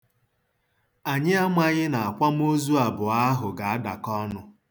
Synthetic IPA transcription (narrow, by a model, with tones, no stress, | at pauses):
a˨ɲɪ˦a˦ma˦ɣɪ˦na˨a˨kʷa˦m̩˦o˦zu˦a˨bʊ˨a˦ɦʊ˨ɡa˨a˦da̰˨kɔ˦nʊ˦